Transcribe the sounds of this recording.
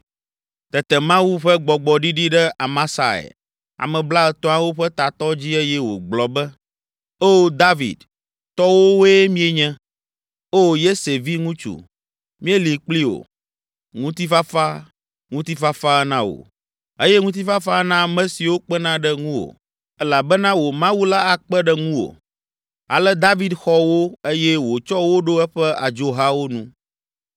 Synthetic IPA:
t̪ɛ˨t̪ɛ˨mã˦wu˦ɸɛ˦ɡ͡bɔ˨ɡ͡bɔ˨ɖi˦ɖi˦ɖɛ˦a˨mã˦sa˨ḛ˨ | a̰˨mɛ̃˨bla˦ɛ˨t̪ɔ̃˦ã˦wo˦ɸɛ˦t̪a˨t̪ɔ˦d͡ʑi˦e˦jɛ˦wo̰˨ɡ͡blɔ˨bɛ˦ | o˦˨d̪a˦vḭ˨d̪ | t̪ɔ˦wo˦we˦mĩ˦e˨ɲɛ̃˦ | o˦je˦se˨vi˦ŋũ˦t͡ʃṵ˨ | mĩ˦e˦li˨k͡pli˦wo̰˨ | ŋũ˦t̪i˦fa˦fa˦ | ŋũ˦t̪i˦fa˦fa˦ɛ˦nã˦wo̰˨ | e˦jɛ˦ŋũ˦t̪̬i˦fa˦fa˦nã˦mɛ̃˦si˨wo˦k͡pɛ˦nã˦ɖɛ˦ŋũ˦wo̰˨ | ɛ˦la˨bɛ˦nã˦wo˨mã˦wu˦la˦a˨k͡pɛ˦ɖɛ˦ŋũ˦wo̰˨ | a̰˨lɛ˦d̪a˦vi˦d̪xɔ˦wo˦e˦jɛ˦wo˨t͡ʃɔ˦wo˦ɖo˦ɛ˦ɸɛ˦a̰˨d͡ʒo˦ɦa˦wo˦nũ˦

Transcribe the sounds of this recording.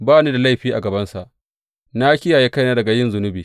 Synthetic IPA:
baː˦niː˦da˨la˦jɸiː˦ʔa˨ɡɐ˨bɐ˦nsa˨ʔ | na˦kʲɪ˦jaː˨jeː˦ka˦jnaː˦dɐ˨ɡa˨jɪ˦nzʊ˨nʊ˦biː˨

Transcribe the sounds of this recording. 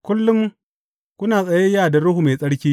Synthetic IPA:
kʷʊ˦lːʊ˦m | kʷʊ˦naː˨sʼɐ˨je˦jaː˦˨da˨ɾʊ˦hu˨me˨sʼɐ˦ɽkʲiː˦

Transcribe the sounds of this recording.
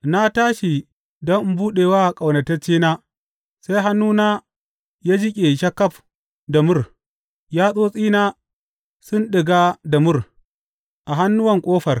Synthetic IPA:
na˦taː˦ʃi˨ | dɔ˦ŋ˦buː˦ɗeː˨waː˦ʔkʼa˨wnɐ˨tɐ˦t͡ʃːiː˦naː˦ | sa˦jɦa˦nːuː˦naː˦ | jaː˦d͡ʒɪ˦kʲʼe˨ʃɐ˦kːɐ˦ɸ | da˨mʊ˦r | jaː˦sʼoː˦sʼiː˦naː˦ | sʊ˦nɗɪ˨ɡaː˦da˨mʊ˦r | ʔa˨ɦa˦nːʊ˦wɐ˨ŋkʷʼoː˦ɸɐ˨r

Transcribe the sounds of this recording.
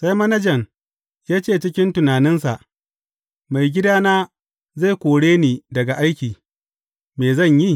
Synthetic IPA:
sa˦jmɐ˦nɐ˦d͡ʒɐ˨ŋ | jaː˦t͡ʃeː˦˨t͡ʃɪ˦kʲɪ˦ntʊ˨naː˨nɪ˦nsa˨ʔ | ma˨jɡʲɪ˦daː˦naː˦ | za˦˨kʷoː˨ɽeː˦niː˨dɐ˨ɡa˨ʔa˦jkʲiː˨ | meː˨zɐ˦˨ɲji˦˨

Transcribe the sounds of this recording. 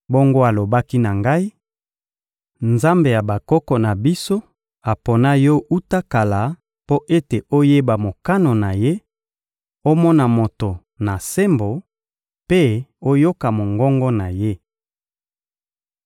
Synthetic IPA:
bo˦ŋɡo˦a˨lo˨ba˦ki˦na˨ŋɡa˦i˦ | nza˦mbe˨ja˨ba˨kɔ˦kɔ˨na˨bi˦so˦ | a˨po˨na˦jɔ˦u˦ta˦ka˨la˨ | po˦ʔe˦te˨o˦je˦ba˨mo˨ka˦no˨na˨je˦ | o˦mɔ˦na˨mo˨to˨ | na˨se˦mbo˨ | pe˦o˦jo˦ka˨mo˨ŋɡɔ˦ŋɡɔ˦na˨je˦

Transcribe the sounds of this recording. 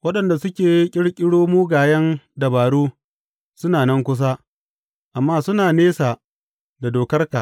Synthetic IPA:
wɐ˦ɗɐ˨nda˨sʊ˦kʲeː˨jkʲʼɪ˦ɽkʲʼɪ˦ɽoː˦muː˦ɡaː˨jɐ˦ndɐ˨baː˨ɽuː˦ | sʊ˦naː˨nɐ˦ŋkʷʊ˦s̬aː˦ | ʔa˨mːaː˦sʊ˦naː˨neː˦saː˨ | da˨doː˨kɐ˦rka˨

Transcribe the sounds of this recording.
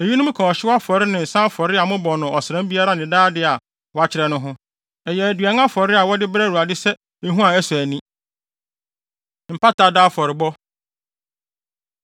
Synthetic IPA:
e˨ji˦nʊ̃˦m̩̃˦kʰɔ̃˨ɔ˨ɕɪ˦wa˦fɔ˨ɾɪ˦nɪ̃˨n̩˨sã˦fɔ˨ɾɪ˦a˨mʊ̃˦bɔ˨nʊ̃˨ɔ˨sɾã˦m˦bi˦a˦ɾa˦nɪ̃˨daː˦dɪ˦a˨ | wɔ˨a˦˨t͡ɕʰɪ˨ɾɛ˦nʊ̃˦ɦʊ̃˦ | ɛ˨jɛ˨æ˨dɥa˨ŋ˦ã˦fɔ˨ɾɪ˦a˨wɔ˦dɪ˦bɾæ˦˨ɾu˨a˨dɪ˦sɛ˦ | e˦ɦũ˦a˨ɛ˦sʊ˨æ˨nĩ˦ | m̩˨pa˦ta˨daː˦fɔ˨ɾɪ˨bɔ˦

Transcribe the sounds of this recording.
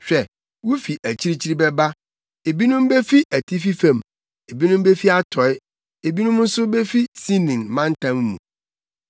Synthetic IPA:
ɕᶣɛ˨ | wu˦fi˨ʔæ˨t͡ɕʰi˦ɾi˦t͡ɕʰi˦ɾi˦bɛ˦ba˦ | e˨bi˦nʊ̃˦m˦be˦fi˦ʔæ˨tʰi˦fi˦fã˨m | e˨bi˦nʊ̃˦m˦be˦fi˦a˦tʰɔ˨˦ɪ˦ | e˨bi˦nʊ̃˦m˦n̩˦sʊ˦be˦fi˦si˦nĩ˨ŋmã˦n̩˦tʰã˦mːṵ̃˨

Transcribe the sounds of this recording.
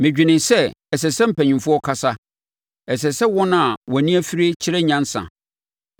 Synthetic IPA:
mɪ̃˨d͡ʑᶣi˨nɪ̃˨nsɛ˦ɛ˨sɛ˨sɛ˦m̩˦pʰæ˨ɲĩ˨mfʊ˦ɔ˦kʰa˦sa˦ | ɛ˨s̬ɛ˨sɛ˦wɔ̃˦ñ˦a˨wnĩ˦æ˦fi˦ɾe˦t͡ɕʰɪ˦ɾɛ˦ɲã˦n̩˦sã̰˨

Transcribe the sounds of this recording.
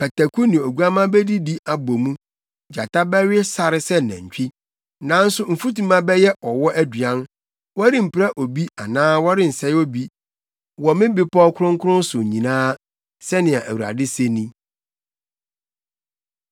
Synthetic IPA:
pʰɛ˨tʰæ˨kʰu˦nɪ̃˨o˨ɡu˦a˦mã˦bɛ˦di˦di˦ʔa˨bo˨mũ˦ | d͡ʑa˨tʰa˦bɛ˦ɥɪ˦sa˨ɾɪ˨sɛ˦nɛ̰̃˨ɲ˨t͡ɕᶣi˦ | nã˨˦n̩˦sʊ˦m̩˨fu˦ti˦mã˦bɛ˦jɛ˦ʔɔ˨wɔ˦ʔæ˦dɥã˦n | wɔ˦ɾɪ̃˦m̩˨pɪ˦ɾa˦ʔo˨bi˦a̰˨nãː˦wɔ˦ɾɪ̃˦n̩˨sɛ˦o˦bi˦ | wɔ˨mɪ̃˦bɪ˦pʰɔ˦kʰʊ˦ɾʊ̃˦ŋkʰʊ˦ɾʊ̃˦n̩˦sʊ˨ɲĩ˨nãː˦ | sɛ˦nɪ̃˨a˨ʔæ˨wu˨ɾa̰˨dɪ˦se˦nĩ˦

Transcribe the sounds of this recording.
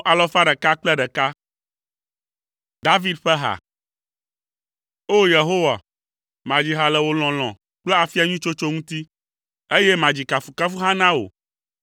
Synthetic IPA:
ʔa˨lɔ˦fa˦ɖɛ˨ka˦k͡plɛ˦ɖɛ˨ka˦ | d̪a˦vi˦d̪ɸɛ˦ɦa̰˨ | o˦je˨ɦo˦wa̰˨ | mã˨d͡ʑi˨ɦa˨lɛ˨wo˨l̃ɔ̃˨l̃ɔ̰̃˨ | k͡plɛ˦a˨fi˦a˨ɲũ˦t͡ʃo˦t͡ʃo˦ŋũ˦t̪i˦ | e˦jɛ˦mã˨d͡ʑi˨ka˨fu˨ka˦fu˦ɦa˦nã˦o̰˨

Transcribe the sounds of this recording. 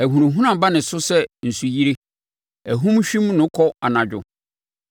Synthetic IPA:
æ˨ɦũ˨ɾũ˨ɦũ˦nã˦˨ba˦nɪ̃˨sʊ˦sɛ˦n̩˨su˨ji˦ɾe˦ | æ˨ɦũ˦mɕᶣĩ˦mnʊ̃˨˦kʰɔ˦a˨nã˨d͡ʑᶣʊ̰˨

